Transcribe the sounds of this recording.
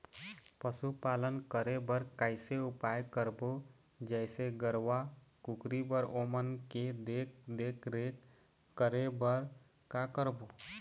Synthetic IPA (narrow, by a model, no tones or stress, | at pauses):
pəsupalənkəɾebəɾkaɪseupajkəɾbo | d͡ʒɛɪseɡəɾʋakukɾibəɾomənked̪ekd̪ekʰɾe | kəɾebəɾ | kakəɾbo